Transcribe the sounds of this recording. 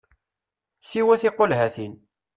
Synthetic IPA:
siwæθɪqːolɦæθin

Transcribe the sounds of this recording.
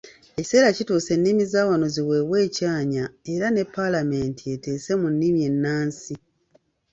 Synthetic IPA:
e̞ci̥se̞ːɾacituːse̞nːimizaːwano̞ziwe̞we̞ːcaːɲae̞ɾane̞pːalame̞ntie̞te̞ːse̞munːimje̞nːaːnsi

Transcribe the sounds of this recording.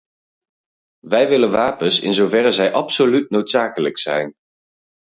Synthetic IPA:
ʋɛjʋɪlənʋaːpənsɪ̰nzowvɛrəzɛjʔɑpsolytnowtsaːkələksɛ̰jn

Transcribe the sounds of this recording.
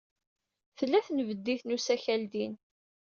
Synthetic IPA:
θəlːæθnvəd̪ːiθnusæçæld̪in

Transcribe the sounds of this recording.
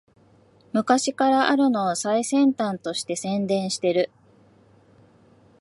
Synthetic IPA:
mɯ̟kaɕikaɾaʔaɾɯ̟no̞ːsaisẽ̞nt̪ãnt̪o̞ɕi̥t̪e̞sẽ̞nd̪ẽ̞ɰ̃ɕi̥t̪e̞ɾɯ̟

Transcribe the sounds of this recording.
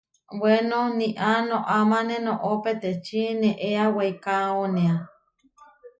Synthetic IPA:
wenoniʔanõʔamanenõʔopet̪et͡ʃineʔeawejkaonea

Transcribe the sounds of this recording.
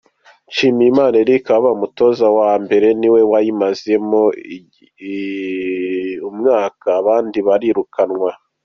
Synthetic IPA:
t͡ʃiːmiimaːneɾikaββaumuto̞zawaːmbe̞ɾe̞niwe̞wajimaze̞mo | umŋaːkaːβaːndiβaɾiɾukʰanŋwa

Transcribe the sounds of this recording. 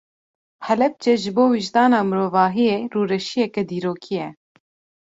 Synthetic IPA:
hɛlɛp̚t͡ʃɛʒɨboːwiʒd̪ɑːnɑːmɨɾoːvɑːɦijeːruːɾɛʃijɛkɛd̪iːɾoːkʰijɛ

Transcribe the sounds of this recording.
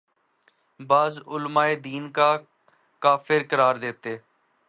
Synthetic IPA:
baːzʊlmaːeːd̪iːnkaː | kaːfʰɪɾkəɾaːɾd̪eːt̪eː

